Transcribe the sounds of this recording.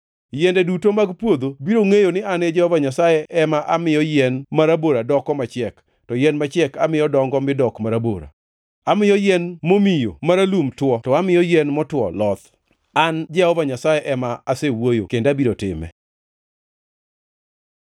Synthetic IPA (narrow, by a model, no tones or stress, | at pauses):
jɛndɛdutomaɡpwod̪obiɾoŋejonɪaned͡ʒɛhɔvaɲasajɛʔɛmaʔamɪjɔjɛnmaɾaboɾadɔkɔmat͡ʃɪɛk | tɔjɛnmat͡ʃɛkamɪjɔdɔŋɡɔmɪdɔkmaɾabo̰ɾa̰ | amɪjɔjɛnmomijomaɾalumtwɔtɔamɪjɔjɛnmɔtwɔ̰lɔt̪ | and͡ʒɛhɔvaɲasajɛʔɛmaasewojo̰kendabiɾotɪ̰mɛ̰